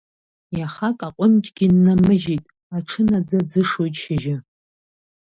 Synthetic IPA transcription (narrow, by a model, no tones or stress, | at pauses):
jaχakʼaqʷʼʊnt͡ʃʼɡʲɪnːamɨʒitʼ | aʈ͡ʂʰɨnad͡zad͡zɨʂojtʼʃaʒɪ